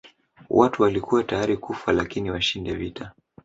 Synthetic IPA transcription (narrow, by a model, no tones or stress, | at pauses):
wʔatuwalikuwatajaɾikufalakiniwaʃindɛvita